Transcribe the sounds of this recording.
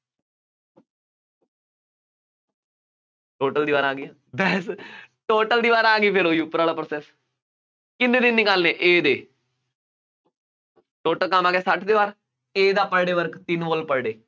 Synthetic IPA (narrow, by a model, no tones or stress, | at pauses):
ʈoːʈəld̪iːʋaːɾaːɡiːaːbɛːsʈoːʈəld̪iːʋaːɾãːɡiːpʰɪɾoːiupəɾaːlaːpɾoːsɛːs | kɪ̃nd̪eːd̪ɪnːiːkaːlneːʔeːd̪eː | ʈoːʈəlkamaːɡɛːsəʈʰd̪eːʋaːɾ | eːd̪aːpəɽɖeːʋəɾkt̪ɪnʋoːlpəɽɖeː